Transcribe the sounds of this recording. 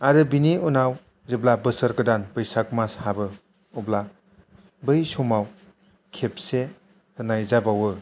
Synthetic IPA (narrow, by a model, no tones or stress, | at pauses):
aɾɯbiniunaw | zeblabɯsəɾɡɯdanbɯjsak̚mashabɯ | ubla | bɯjsomaw | kʰep̚se | hɯnajzabawɯ